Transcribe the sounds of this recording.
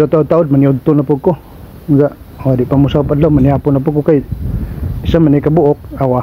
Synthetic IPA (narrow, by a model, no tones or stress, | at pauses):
at̪aʔʊd̪̚t̪aʔʊd̚maniʊd̪̚t̪ʊnapʊɡkʊ | ɡaʔ | oadɪʔpamusakpadlamaniapʊnapʊkʊkaj | isamanajkabʊʔʊk̚awa